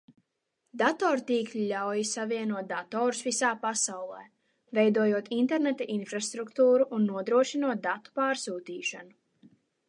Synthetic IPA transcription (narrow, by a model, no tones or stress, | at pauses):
d̪at̪ɔːɾt̪iːklʲilawjisaviɛnuɔt̪̚d̪at̪ɔːɾusvisaːpasawlˠɛː | vɛjd̪uɔjuɔt̪int̪ɛɾnɛt̪aʔinfɾast̪ɾukt̪uːɾuʔːnːuɔd̪ɾuɔʃinuɔt̪̚d̪at̪u̥paːɾsuːt̪iːʃanu